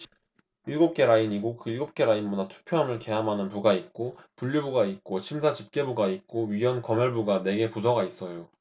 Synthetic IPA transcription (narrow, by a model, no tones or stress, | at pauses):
iɭɡop̚k͈e̞ɾaiɲiɡokɯiɭɡop̚k͈e̞ɾainmunatʰu̥pʰjoɦamɯɭke̞ɦamɦanɯnpuɡait̚k͈opuʎːibuɡait̚k͈ot͡ɕʰimsʰat͡ɕip̚k͈e̞buɡait̚k͈oɥijʌnkʌmjʌɭbuɡane̞ɡe̞pusʰʌɡais͈ʌjo